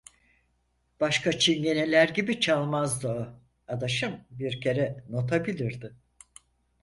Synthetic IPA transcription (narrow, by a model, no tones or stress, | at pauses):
b̥aʃkat͡ʃʰinje̞nelʲæɾɟibit͡ʃʰalˠmazd̪ɯa | ad̪aʃɯmbiɾcʰe̞ɾɛno̞t̪ʰabilʲiɾd̪ɪ